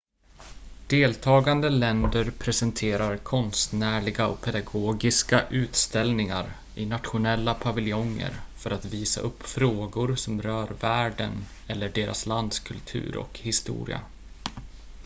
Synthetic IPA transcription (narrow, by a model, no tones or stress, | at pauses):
d̪̥eːlt̪ʰɑːɡand̪əlɛnd̪əɾpʰɾɛsɛnt̪ʰeːɾaɾkʰɔnst̪næːɭɪɡaɔ̰k̚pʰɛd̪aɡoːɡɪskaʔʉ̟ːt̪st̪ɛlnɪŋaɾ | ɪnat̪ɧʊnɛlːapʰavɪljɔŋːə̰ɾfœɾat̪viːsa̰ʔɵpːfɾoːɡʊɾsɔmɾœːɾvæːɖən | ɛlːəɖeːɾʔa̰sland̪skʰɵlt̪ʰʉ̟̰ːɾɔ̰khɪst̪ṵːɾɪ̰a̰